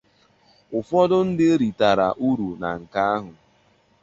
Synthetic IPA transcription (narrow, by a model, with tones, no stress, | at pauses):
ʊ˨fɔ˦dʊ˦n̩˦dɪ˦ɾi˨ta˨ɾa˨ʔu˦ɾu˨na˨ŋ̩˨ka˦a˦ɦʊ˨